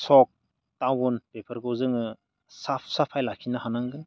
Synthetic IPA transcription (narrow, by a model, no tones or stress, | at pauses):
sɔk̚ | tawunpepʰəɾɡɯwzɯŋɯ | sapʰsapʰajlakʰinahanaŋɡɯn